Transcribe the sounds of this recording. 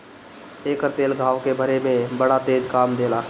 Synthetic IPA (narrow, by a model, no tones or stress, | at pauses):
eːkəɾt̪eːlɡʱaːwkebʱəɾemẽbəɽat̪eːd͡ʒkaːmd̪eːlaː